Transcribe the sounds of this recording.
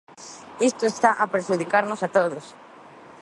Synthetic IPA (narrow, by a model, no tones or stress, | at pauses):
ist̪oest̪aʔapɾeʃuð̞ikaɾnosat̪oðos